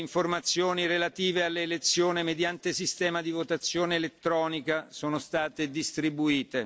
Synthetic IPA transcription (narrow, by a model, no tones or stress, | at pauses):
iɱformat̪sːjoːniɾelat̪iːvealːeːlet̪sːjoːnemed̪jant̪esist̪ɛːmad̪ivot̪at̪sːjoːneːlet̪ːɾɔːnikasoːnost̪aːt̪ed̪ist̪ɾibuiːt̪e